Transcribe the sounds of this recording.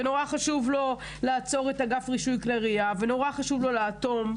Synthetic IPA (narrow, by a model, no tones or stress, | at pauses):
eno̞ʁaχaʃuvlo | laːt͡so̞ʁetaɡafʁiʃujklaʁiaveno̞ʁaχaʃuvlo̞leːt̪o̞m